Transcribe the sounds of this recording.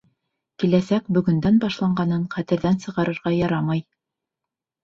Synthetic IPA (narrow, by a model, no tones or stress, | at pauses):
kilæsækbɵ̆ɡɵ̆nd̪ænbɑʃlˠɑɴɢɑnɤɴχæt̪ɘ̆ɾðænsɤ̆ʁɑɾɤ̆ɾʁɑjɑɾɑmɑj